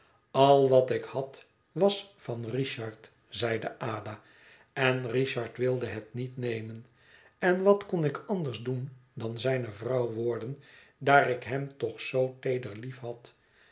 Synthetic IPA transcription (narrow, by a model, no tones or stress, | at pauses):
ɑlˠʋɑtɪkhɑt | ʋɑsfɑnriʃɑɹt | zɛjdəʔaːdaː | ɛnriʃɑɹtʋɪlˠdəɦɛtnitnejmən | ɛnʋɑtkɔnɪkɑndəɹzdundɑnzɛjnəvrɑwʋʊːɹdəndaːɾɪkɦɛmtɔχsowtejdəɹlifɦɑt